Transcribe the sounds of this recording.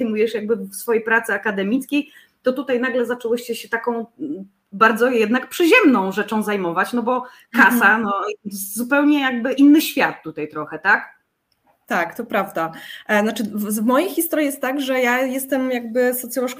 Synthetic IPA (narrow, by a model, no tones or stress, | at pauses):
jmujɛʂjaɡ̚bɘfsfɔjejpɾat̪sɘakad̪ɛmʲit̪skʲej | t̪ɔt̪ut̪ajnaɡlɛzat͡ʂɛwɪɕt͡ɕɛɕɛt̪akɔ̃w̃ | baɾd̪zɔjɛd̪nakpʂɘʑɛmnɔ̃w̃ʐɛt͡ʂɔ̃w̃zajmɔvat͡ɕnɔbɔ | kasanɔzupɛwɲɛjaɡ̚bɘʔinːɘɕfʲjat̪ːut̪ajt̪ɾɔxɛt̪ak | t̪akt̪ɔpɾavd̪anat͡ʂɘvvmɔjejxʲist̪ɔɾʲjijɛst̪t̪ːaɡʐɛjajɛst̪ɛmjaɡ̚bɘsɔt̪sʲjɔlɔʂk